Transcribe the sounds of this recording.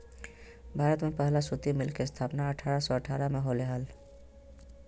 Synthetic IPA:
bʱaːɾət̪mepəɦlasut̪imɪlkest̪ʰaːpnaəʈʰaːɾasɔəʈʰaɾameɦoleɦəl

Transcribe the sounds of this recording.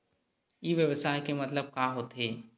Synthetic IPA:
iʋjəʋsaːjkemɐt̪ləb̚kaːɦoːt̪ɦeː

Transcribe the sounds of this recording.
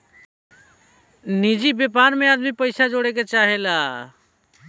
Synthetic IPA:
nid͡ʒibjepaɾmẽaːd̪mipəɪsad͡ʒoɽeket͡ʃaɦela

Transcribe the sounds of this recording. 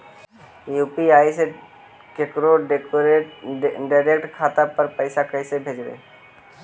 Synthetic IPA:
jupiaːjse | kekɾoɾe | ɖaɪɾek̚ʈkʰat̪apəɾpəɪsakəɪsebʱeːd͡ʒbḛː

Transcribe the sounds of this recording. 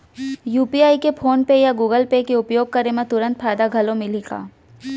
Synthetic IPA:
juːpiaːikepʰoːnpejaɡuːɡəlpekeʊpjoːɡ̚kɐɾemẽt̪ʊɾə̃nt̪fʰaːɪd̪aɡʱɐlõmɪliɡa̰ː

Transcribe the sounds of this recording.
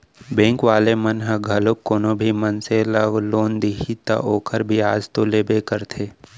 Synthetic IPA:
bẽːŋkʋaːlemənɦəɡʱɐlokːoːnõbʱimənseləɡloːnd̪iːɦit̪ɐ̰ʔoːkʰəɾbʱiaːd͡ʒt̪oleːbekəɾt̪ʰeː

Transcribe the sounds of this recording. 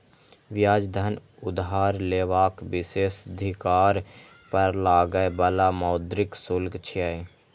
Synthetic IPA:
ʋjaːd͡ʒd̪ʱən | ʊd̪ɦaːɾleːʋaːkbɪseːsəd̪ʱɪkaːɾ | pəɾlaːɡəjbəlamaːd̪ɾɪksʊlɡt͡ʃʰiaj

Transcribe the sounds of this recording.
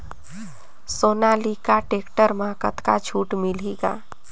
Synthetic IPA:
soːnalikaʈekʈəɾmakət̪kat͡ʃʰuːʈmiliɡa̰

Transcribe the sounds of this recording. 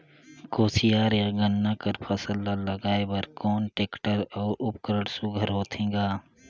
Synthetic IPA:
koːsijaːɾjaɡənːakəɾpʰəsəlːaləɡaːebəɾkɔːnʈeːkʈəɾɔːɾʔʊp̚kəɾəɽsʊɡʱəɾɦoːt̪ʰẽːɡaː

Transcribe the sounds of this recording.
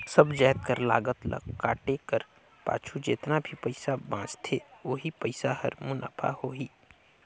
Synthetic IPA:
səbd͡ʒaːt̪kəɾla̰ːɡət̪lə̰ɡkaːʈekəɾ | pa̰ːt͡ʃʰud͡ʒḛːt̪nabʱipəɪsabãːt͡ʃt̪ʰeːoːɦipəɪsaɦɐ̰ɾmʊna̰ːpʰa̰hoːɦiː

